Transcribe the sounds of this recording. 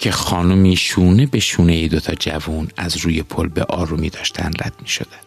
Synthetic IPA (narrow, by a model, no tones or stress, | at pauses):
cʰe̞xɒːnumiːʃuːne̞be̞ʃuːnejed̪o̞t̪ʰɒːd͡ʒævuːnæzɾuːje̞pʰolbe̞̰ʔɒːɾumiːd̪ɒːʃt̪ʰæ̰nd̪ræ̰d̪̥miːʃo̞̰d̪̥æn̥